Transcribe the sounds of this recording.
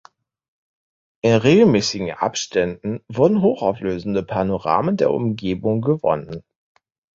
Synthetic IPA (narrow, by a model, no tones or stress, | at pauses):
ʔɪnʁeːɡl̩mɛːsɪɡŋ̩ʔa̰pʃtʰɛndn̩vʊɐdn̩ɦoːxaʊfløːzn̩dəpʰaɐnoʁa̰ːməndeːɐʔʊ̰mɡeːbʊŋɡəvɔ̰nən